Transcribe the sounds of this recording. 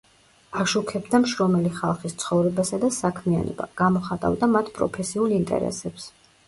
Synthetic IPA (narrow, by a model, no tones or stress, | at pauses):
aʃukʰɛbd̪amʃɾɔmɛliχalˠχist̪sʰχɔvɾɛbasad̪asakʰmia̰nɔ̰ba̰ɡ̥amɔχat̪ʼa̰vd̪amat̪ʰpʼɾɔ̰pʰɛsiulˠint̪ʼɛ̰ɾɛ̰sɛps